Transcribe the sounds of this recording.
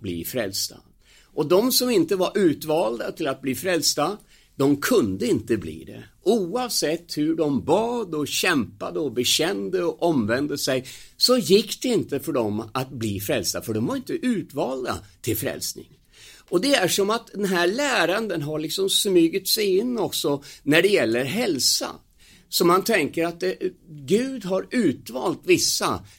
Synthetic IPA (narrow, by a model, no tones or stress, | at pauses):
blḭːfɾɛ̰lst̪a̰ | ʔɔd̪ɔmsɔmɪnt̪əvaɾʔʉ̟ːt̪vɑːld̪at̪ʰɪlat̪̚bliːfɾɛlst̪a | d̪̥ɔmkʰɵnd̪əɪnt̪əblḭːd̪ɛ̰ʔuːɑvsɛt̪ːhɵɖɔmbɑːd̪ɔɕɛmpad̪əɔbɛɕɛnd̪əɔʔɔmvɛnd̪əsɛjsɔjɪkːd̪̥ɛɪnt̪əfœɖɔmat̪̚bliːfɾɛlst̪afœɖɔmvaɾɪnt̪əʔʉ̟ːt̪vɑːld̪a̰t̪ʰɪlfɾɛ̰lsnɪ̰ŋ | ʔɔd̪ɛæʂɔmat̪̚d̪ɛnɦæɭæːɾand̪ənɦaɾɭɪksɔmsmyːɡət̪sɛjɪnːɔksɔnæɖɛjɛlːəɾɦɛlsa̰ | sɔmant̪ʰɛŋkəɾat̪̚d̪ɛɡʉ̟ːd̪ɦaɾʉ̟ːt̪vɑːlt̪vɪsːa̰